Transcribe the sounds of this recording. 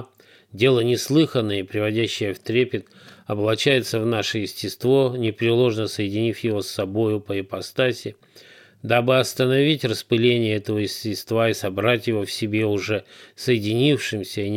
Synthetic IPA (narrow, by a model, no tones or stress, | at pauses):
dʲe̞lˠənʲɪslˠɨxənːəjəpɾʲɪvɐdʲæɕːɪjəft̪ɾʲepʲɪt̪ | ɐblˠɐt͡ɕæjɪt̪səvnaʂəjɪsʲtʲɪst̪vo̞nʲɪpɾʲɪlˠo̞ʐnəsəjɪdʲɪnʲifʲjɪvo̞sːɐbo̞jʊpəpɐst̪asʲɪ | d̪abɨɐst̪ənɐvʲitʲrəspɨlʲenʲɪjəɛt̪əvəjɪsʲtʲɪst̪vaisɐbɾatʲjɪvo̞fsʲɪbʲe̞ʊʐɛsəjɪdʲɪnʲifʂɨmsʲəinʲ